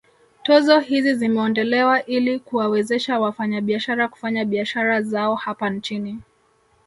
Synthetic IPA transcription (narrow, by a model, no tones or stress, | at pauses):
tɔzɔhizizimɛɔndɔlɛwaʔilikuwawɛzɛʃawafaɲaɓiaʃaɾaku̥faɲaɓiaʃaɾazaɔhapant͡ʃini